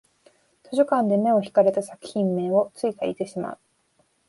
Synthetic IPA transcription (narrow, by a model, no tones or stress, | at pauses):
t̪ʰo̞ʑokãnd̪e̞me̞o̞çi̥kaɾe̞t̪asaki̥çĩmːẽ̞o̞t͡sɨikaḭt̪e̞ɕima̰ɯ